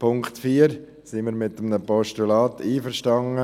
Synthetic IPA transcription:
pʰʊŋkt̪fiːəɾ | sɪməɾmɪt̪əmnəpɔʃtulɑːtiːfəɾʃtɑŋə

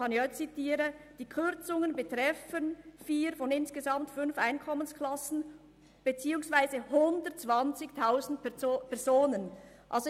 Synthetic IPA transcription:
ɑnɪçɛt͡sitiːɾəd̥iːkʰʏɾt͡sʊŋənbətʁɛfənfiːɾfɔnɪnsɡ̥əzɑmtfʏnfʔaɪnkʰɔmənskʰlɑsn̩ | b̥et͡siːʊŋsvaɪzəhʊndətt͡sv̥ɑnt͡sɪktʰaʊzn̩tpʰɛɐzoːnənʔɑ̰lz

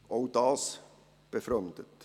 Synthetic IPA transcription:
ʔoʊd̥ɑːs | b̥efɾœmd̥̪ət̪

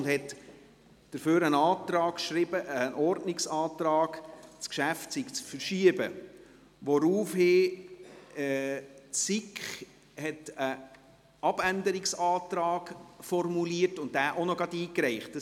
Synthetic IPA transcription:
ʊnd̥hɛt | d̥əɾføːɾənɑːtɾɑːkʃɾɪb̥əənʔɔrdnɪksɑːtɾɑːɡ̥t͡skʃæftsikt͡sfəɾʃiəbə | ʋɔɾuːfhɪː | tsikχ | hɛtə | ɑb̥ændəɾɪksɑːt̪ɾɑːɡfɔrmuliətʊntdæːʔonɔɡɑdiːkɾɛɪχt̚d̥ə

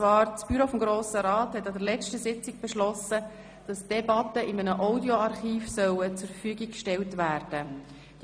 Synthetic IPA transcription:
ʋɑːɾt͡sb̥yɾofɔmɡɾoːsəɾɑːthɛt̪ːɑd̪əɾlɛt͡ʃtəsɪt͡siɡ̚b̥ɛʃlɔsə | d̥ɑsd̥ɛbɑtəʔɪmənəʔɔʊdjoɑɾχiːfsœwət͡sʊɾfəfyːɡikkʃtɛltʋæːrd̥ə

